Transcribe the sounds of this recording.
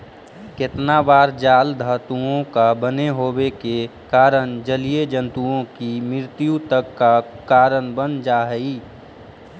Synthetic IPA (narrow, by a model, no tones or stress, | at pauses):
kɪt̪nabaːɾd͡ʒaːld̪ʱaːt̪uõkabəneɦoːbekekaːɾənd͡ʒəlied͡ʒə̃nt̪uõkimɾɪɾt̪jut̪əkːakaːɾənbənd͡ʒaːɦəiː